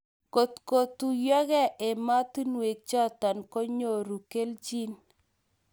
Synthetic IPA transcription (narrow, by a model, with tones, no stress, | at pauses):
ko˨tko˨tu˨jɔ˦kɛ˦ʔe˨ma˦ti˦nwe˨k̚t͡ʃɔ˦ta˨nko˦ɲo˨ɾu˨ke˦lt͡ʃi˦n